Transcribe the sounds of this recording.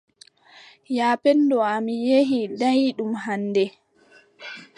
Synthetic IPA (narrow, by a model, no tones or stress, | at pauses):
jaːpɛndɔamijeɦidajiɗumɦanːdɛ